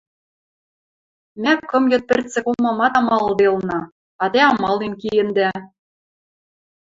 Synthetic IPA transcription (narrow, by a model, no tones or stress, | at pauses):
mækkːɤ̆mjŏt̪̚pɘ̆rt͡sɘ̆komɑmɑt̪ɑmɑld̪elnɑ | ɑt̪eɑmɑlˠenkijɘ̆nd̪æ